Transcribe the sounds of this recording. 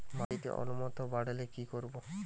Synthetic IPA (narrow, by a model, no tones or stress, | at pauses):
mait̪ḛʔo̰numɔt̪obaɽelekikoɾbo